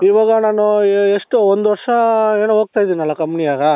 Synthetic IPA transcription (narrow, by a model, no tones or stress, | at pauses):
iʋaːɡɐnaːnueʂʈuond̪uʋɐɾʂɐe̞ːnuɦoːɡ̚t̪aːjid̪iniɐlːɐkɐmnijaːɡɐ